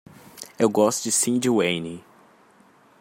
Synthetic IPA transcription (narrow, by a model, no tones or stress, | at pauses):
ewɡɔst̪ʊd͡ʒɪsĩd͡ʒiwẽjni